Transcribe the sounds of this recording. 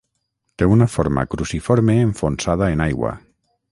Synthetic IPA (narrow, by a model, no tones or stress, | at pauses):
t̪eunafoɾma̰kɾusifoɾmeːɱfonsað̞aenajɣwa̰